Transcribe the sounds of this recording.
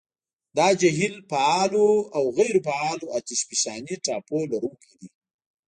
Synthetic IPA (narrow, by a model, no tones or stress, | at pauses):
d̪ɑd͡ʒaɦilpaɑloawɣajɾopaɑloat̪ɪʃpisɑniʈɑpolaɾukid̪i